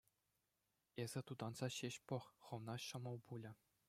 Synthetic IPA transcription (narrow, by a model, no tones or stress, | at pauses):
ezʲɘ̆t̪ud̪ɑnz̥ɑɕeɕpɤ̆χχɤ̆ʋnɑɕɤ̆mɤ̆lˠbulʲɘ̆